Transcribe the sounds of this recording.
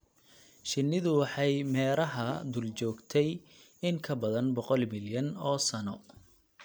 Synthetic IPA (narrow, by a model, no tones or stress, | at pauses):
ʃɪnːɪðʊwɑħɑjmɛːɾɐɦɐd̪ult͡ʃɔːɡt̪ʰɛj | ɪŋkʰɐbɐðɐnbɔqɔlmɪljɐnɔːsɐnɔ